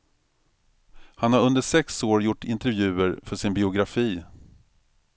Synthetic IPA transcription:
hanhaɾɵnd̪əʂɛksoːɾjʊʈːɪnt̪ɛɾvjʉ̟ːəɾfœʂɪnbɪʊɡɾafiː

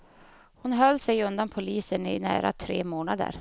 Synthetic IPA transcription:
hʊnɦœlːsɛjɵnd̪anpʰʊliːsənɪnæ̰ːɾa̰t̪ʰɾḛːmoːnad̪ə̰ɾ

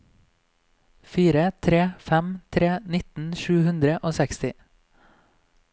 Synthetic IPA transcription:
fiːɾət̪ʰɾeːfæmt̪ʰɾeːnɪt̪n̩ʃʉːhʉnd̪ɾəʔoːsɛkst̪ɪ

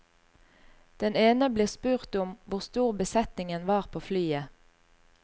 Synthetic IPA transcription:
d̪̥ɛneːnəbliːʁspʉːʁt̪ʊmʋʊʁst̪uːʁbəsɛt̪nɪŋənʋɑːʁpʰoːflyːə

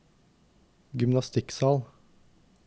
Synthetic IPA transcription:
ɡʏmnɑst̪ɪksɑːl

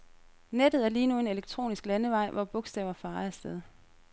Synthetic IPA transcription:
ned̥ð̩ˠæɐliːnue̝ne̝leɡ̥̚t͡sʰʁo̝̰ːnisɡ̥lænəʋɑ̈ɪ̰ʋɒb̥ɔ̽ɡ̥sd̥ɛ̰ːʊɐfɑ̈ːæɐsd̥eð̞ˠ

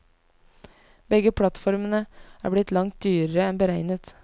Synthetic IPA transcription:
bɛɡəpʰlɑt̪fɔɾmənəæ̰ːɾblɪt̪lɑŋt̪̚d̪yːɾəɾəɛnbəɾæɪnət̪

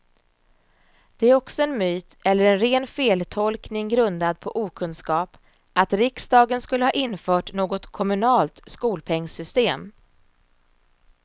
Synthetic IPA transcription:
d̪̥ɛæɾɔksɔɛnmyːt̪ɛlːəɾɛnɾeːnfeːlt̪ʰɔlknɪŋɡɾɵnd̪ad̪̚pʰɔʔuːkʰɵnskɑːp | ʔat̪ɾɪksd̪ɑːɡənskɵlːəhɑːʔɪnːfœːʈnoːɡɔt̪kʰɔmɵnɑːlt̪skuːlpʰɛŋːsʏst̪eːm

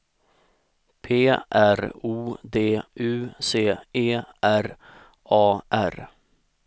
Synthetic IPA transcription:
pʰeːʔæɾuːd̪eːʔʉːseːeːʔæɾ | ɑːʔæ̰ɾ

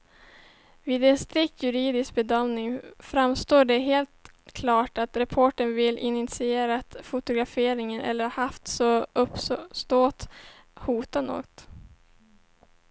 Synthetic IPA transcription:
viːd̪ɛnst̪ɾɪk̚t̪ʰjɵɾiːd̪ɪsk̚bɛd̪œmnɪŋfɾamst̪oːɖɛɦeːlt̪ | kʰlɑːʈat̪ɾɛpʰoːʈəɳvɪlːʔɪnɪt̪sɪeːɾat̪fʊt̪ʊɡɾafeːɾɪŋənʔɛ̰lːəɾhahaft̪sɔʔɵpsst̪oːt̪ | huːt̪ano̰ːɡt̪

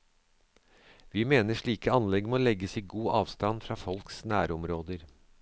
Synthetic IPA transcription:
ʋiːmeːnəʂɭiːkəɑnlɛɡmoːlɛɡəsiːɡuːʔɑːʋst̪ɑnfɾɑːfɔlksnæːɾʊmɾoːd̪əɾ

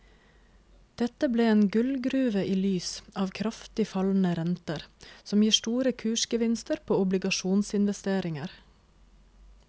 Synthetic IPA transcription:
d̪̥ɛt̪əbleːeːnɡʉlɡɾʉːʋəʔiːlyːsʔɑːʋkʰɾɑft̪ɪfɑln̩əɾɛnt̪əɾsɔmjiːʃtuːɾəkʰʉːʃkəʋɪnst̪əɾpʰoːʊblɪɡɑʃuːnsɪnʋɛst̪eːɾɪŋəɾ

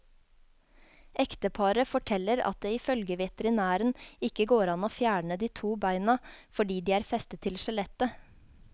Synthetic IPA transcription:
ʔɛkt̪əpʰɑɾəfɔʈʰɛlːəɾɑ̰t̪̚d̪eːɪfœlɡəʋɛt̪əɾɪnæːɾənɪkəɡoːɾɑnoːfjæːɳəd̪iːt̪ʰuːbæɪnəfɔɖiːd̪iːæːɾfɛst̪ət̪ʰːɪlʃɛlɛt̪ə

